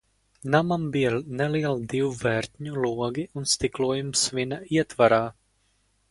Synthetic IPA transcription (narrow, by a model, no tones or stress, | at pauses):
namambijɛnɛliɛlˠd̪iwvɛɾʲt̪ʲɲuluɔɡiunst̪ikluɔjumsvinaiɛt̪vaɾaː